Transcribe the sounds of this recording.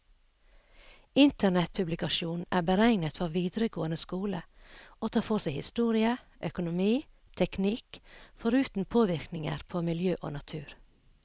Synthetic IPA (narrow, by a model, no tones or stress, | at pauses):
ɪnt̪ʰəɳɛt̪̚pʰʉblɪkɑʃuːnʔæ̰ːbəɾæɪnət̪fɔɾʋiːd̪ɾəɡoːənəskuːləoːt̪ʰɑːpʰɔsæɪhɪ̰st̪uːɾɪə | ʔœkʊnʊmiː | t̪ʰɛknɪkfɔɾʉːt̪n̩t̪pʰoːʋɪɾknɪŋə̰ɾpʰoːmɪljøːʔo̰ːnɑt̪ʰʉːɾ